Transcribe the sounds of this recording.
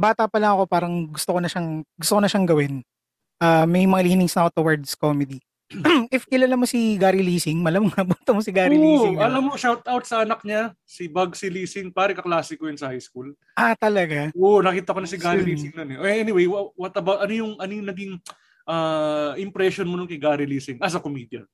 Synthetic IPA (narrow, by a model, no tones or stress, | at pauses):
baːt̪ɐpɐlɐŋɐko̞paːɾɐŋɡʊst̪okonɐʃaŋɡʊst̪okonɐʃaŋɡɐwɪn | ʔaːmɐjmɐŋaliːnɪŋsnɐʔot̪owɐɹd̪skomɛd̪i | ʔɪfkɪlalɐmosiɡaːɾiliːsɪŋmɐlɐmŋɐbut̪ɐmosɪɡaːɾiliɪŋɐlɐmːoʃawt̪awt̪̚sɐɐnɐk̚ɲa | sibɐɡ̚sɪliːsɪŋpaːɾɛkɐklaːsɪkojʊnsɐhajskul | ʔat̪ɐlɐɡaʔonɐkiːt̪ɐkonɐsɪɡaɾiliːsɪŋnonɛʔɛnɪwejwɐwɐt̪ɐbawt̪ʔɐnojʊŋʔɐnojʊŋnɐɡɪŋ | ʔaːʔɪmpɾɛʃonmononkɐjɡaːɾiliːsɪŋʔɐs̬ɐkomiːd̪jɐ̰